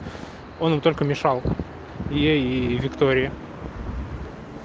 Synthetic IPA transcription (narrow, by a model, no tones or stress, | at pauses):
onɨmt̪olʲkəmʲɪʂɑlˠ | jeivʲɪkt̪oɾʲɪjə